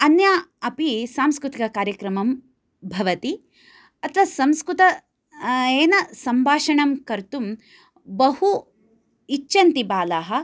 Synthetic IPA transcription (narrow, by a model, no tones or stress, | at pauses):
ɐnjaːɐpisaːmskɾut̪ikɐkaːɾjɐkɾɐmɐm | bʱɐʋɐt̪i | ɐt̪ʰɐʋɐsɐmskɾut̪ɐ | eːnɐsɐmbʱaːʂɐɳɐmkɐɾt̪um | bɐhu | it͡ʃːɐnt̪ibaːlaːɦɐ̆